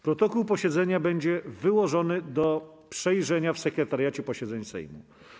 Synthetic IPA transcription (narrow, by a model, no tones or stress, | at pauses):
pɾɔt̪ɔkuwpɔɕɛd̪zɛɲabɛɲd͡ʑɛvɘwɔʐɔnɘd̪ɔ | pʂɛjʐɛɲafsɛkɾɛt̪aɾjat͡ɕɛpɔɕɛd̪zɛɲsɛ̰jmṵ